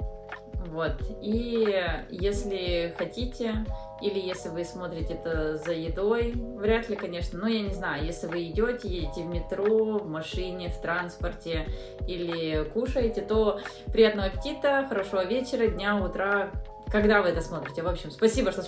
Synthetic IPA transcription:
vot̪i | jesʲlʲɪxɐtʲitʲɪ | ilʲɪjesʲlʲɪvɨsmo̞t̪ɾʲɪtʲɪɛt̪əzəjɪd̪o̞jvɾʲat̪lʲɪkɐnʲe̞ʂnənujanʲɪznajʊjesʲlʲɪvɨɪdʲotʲɪjedʲɪtʲɪvmʲɪt̪ɾo̞vmɐʂɨnʲɪft̪ɾanspərtʲɪ | ilʲɪkuʂəjɪtʲɪt̪o̞ | pɾʲɪjat̪nəʋəpʲɪ̥tʲit̪əxəɾɐʂovəvʲet͡ɕɪɾədʲnʲaʊt̪ɾa | kɐɡd̪avɨɛt̪əsmo̞t̪ɾʲɪtʲɪvo̞pɕːɪmspɐsʲibəʂt̪o

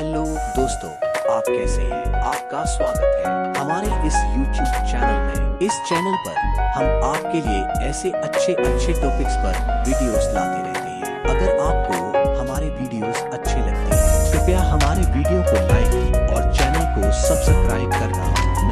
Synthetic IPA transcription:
ɦɛloːd̪oːst̪õːaːpkɛːseɦɛ̃aːp̚kaswaːɡət̪ɦɛːhɐmaːɾeʔɪsjuːʈjuːbt͡ʃɛːnəlmẽɪst͡ʃɛːnəlpɐɾhɐmaːpkelieɛːseɐtːʃʰeʔɐtːʃʰeʈɔːpɪkspɐɾʋiːɖijoːzla̰ːt̪eɾɛ̰ɦt̪eɦɛ̰̃ːɐɡəɾaːp̚kohɐmaːɾeʋiːɖijoːzɐtːʃʰelɐɡ̚t̪eɦɛ̃t̪okjaːɦɐmaːɾeʋiːɖijokolaːɪkɔ̰ːɾt͡ʃɛːnəlkosɐbsɐpskɾaːɪb̚kɐɾna̰ːɦɛ̰̃ː | n

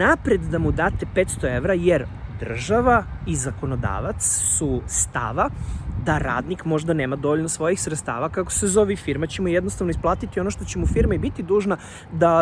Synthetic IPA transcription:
apɾe̞d̪d̪amud̪aːt̪e̞pet̪st̪o̞e̞ʋɾajeɾd̪r̩ʒaʋa | izako̞no̞d̪a̰ːʋat̪ssust̪a̰ʋad̪aɾa̰ːd̪nikmo̞ʒd̪ane̞ːmad̪o̞ʋoʎnosʋo̞jixsɾet̪st̪a̰ːʋakako̥sezo̞ʋifiɾmat͡ɕe̞mujed̪nost̪aʋnoisplˠaːt̪it̪io̞noʃt̪o̞t͡ɕe̞mufiɾmaibit̪id̪uːʒna | d̪a

